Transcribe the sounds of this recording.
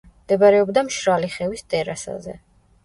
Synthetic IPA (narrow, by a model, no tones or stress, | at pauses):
md̪̥ɛbaɾɛɔbd̪amʃɾaliχɛvist̪ʼɛɾasa̰zɛ̰